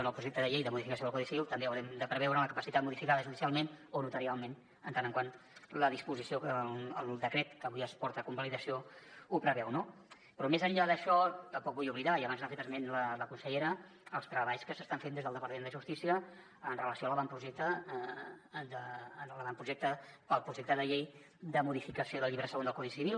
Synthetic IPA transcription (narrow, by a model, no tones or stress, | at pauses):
nəlˠpɾuʒek̚t̪əðəʎejðəmuðifikəsjoðəkɔðiksiβilˠt̪əmbeəwɾɛmd̪əpɾəβ̞ɛwɾələkəpəsit̪at̪muðifikaðəʒuðisialˠmenonut̪əɾialˠmen | ənt̪anəŋkwan | ləðispuzisioəlˠd̪əkɾet̪kəβujəspɔɾt̪əkumbaliðəsioupɾəβɛwno | pɾɔmezəɲʎaðəʃɔt̪əmpɔk̚bujuβliðaiəɐβanznafet̪əzmenlələkunsəʎeɾəː | lˠst̪ɾəβaʎskəsəst̪aɱfend̪ezðəlˠd̪əpəɾt̪əmend̪əʒust̪isiəː | nrələsioaləβampɾuʒek̚t̪ə | d̪ənləβampɾuʒek̚t̪əpəlˠpɾuʒek̚t̪əðəʎej | d̪əmuðifikəsioðəlˠʎiβɾəsəɣond̪əlkɔðisiβilˠ